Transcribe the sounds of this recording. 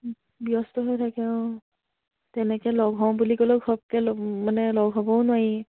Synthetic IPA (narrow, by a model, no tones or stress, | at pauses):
biɔstɔɦojtʰakɛʊ̃ | tɛnɛkɛlɔɡʱɔ̃bulikɔlɔɡʰʱɔb̚kɛlɔmanɛlɔɡʱɦɔbɔʊnʊwaɹi